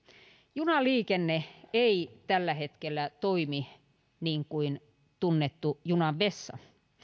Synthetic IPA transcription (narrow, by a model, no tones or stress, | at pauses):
junɑliːkenːeeit̪ælːæhet̪kelːæt̪oimi | niːŋkuin | t̪unːet̪ːujunɑʋʋesːɑ̰